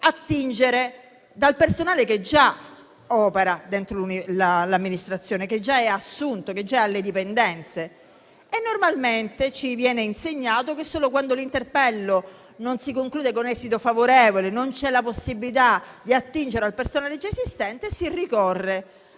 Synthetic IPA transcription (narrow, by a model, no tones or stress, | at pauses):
at̪ːind͡ʒeɾe | d̪alpersonaːleked͡ʒa | ɔːpeɾad̪ent̪ɾolunilalamːinist̪ɾat̪sːjoːneked͡ʒːaɛasːunt̪oked͡ʒːaalːed̪ipend̪ɛnt̪se | enːormalment̪et͡ʃivjɛːneinseɲːaːt̪okesːoːlokwand̪olint̪erpɛlːo | nonsikoŋkluːd̪ekonɛːzit̪ofavoɾɛːvolenont͡ʃɛlaposːibilit̪ad̪iat̪ːind͡ʒeɾealpersonaːled͡ʒaesist̪ɛnt̪esirikɔrːe